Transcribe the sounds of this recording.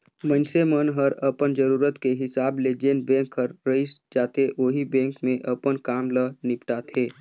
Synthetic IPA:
mənsemənɦəɾəpənd͡ʒəɾuːɾət̪keɦɪsaːbled͡ʒeːnbɛ̃ːŋkːəɾːəɪsd͡ʒaːt̪eʔoːɦibɛ̃ːŋkmẽʔəpənkaːmlənɪpʈat̪ʰeː

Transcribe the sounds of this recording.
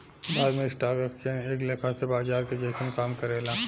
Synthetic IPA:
baːd̪mẽɪsʈaːɡɐkt͡ʃeneːkleːkʰasebaːzaːɾked͡ʒeːsənkaːmkɐɾeːlaː

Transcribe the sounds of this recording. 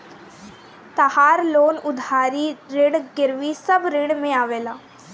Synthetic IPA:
t̪ahaːɾloːnʊd̪ʱaːɾiɾɪɽɡɪɾʋisɐbɾɪ̃ɽmẽaːʋeːlaː

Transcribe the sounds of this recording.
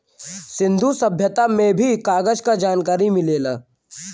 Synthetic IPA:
sɪ̃nd̪ʱusɐbʱjət̪amẽbʱikaːɡəd͡ʒkad͡ʒaːnkaːɾimɪleːlaː

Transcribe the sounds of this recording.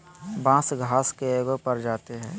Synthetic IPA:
bãːsɡʱaːskeeːɡopəɾd͡ʒaːt̪eɦɛ̃ː

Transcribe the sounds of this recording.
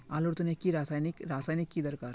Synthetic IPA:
aːloɾt̪unekːiɾaːsaːjnikɾaːsaːjnɪkːid̪ɐɾkaːɾ

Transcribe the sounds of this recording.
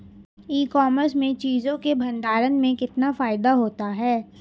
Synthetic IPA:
iːkɔːməɾsmẽt͡ʃiːzõkebʱɐ̃nd̪aːɾənmẽkɪt̪nafaːɪd̪aɦoːt̪aɦɛː

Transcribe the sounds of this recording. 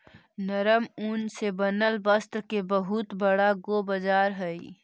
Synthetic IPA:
nəɾəmuːnsebɐnəlbəst̪ɾkebəɦʊt̪bɐɽaɡobəd͡ʒaːɾɦɛi

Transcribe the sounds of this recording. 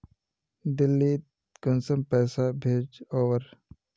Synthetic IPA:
d̪ɪlːi | kʊnsəmpɛːsabʱeːd͡ʒoːʋəɾ

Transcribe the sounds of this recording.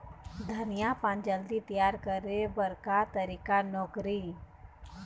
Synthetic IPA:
d̪ʱənɪjapãnd͡ʒəld̪it̪ijaːɾkəɾebəɾkat̪əɾiːkanɔːkɾi

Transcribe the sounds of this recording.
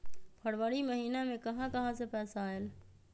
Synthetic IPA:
pʰəɽʋəɽiməɦiːnamẽkɐɦãkɐɦãsepɛːsael

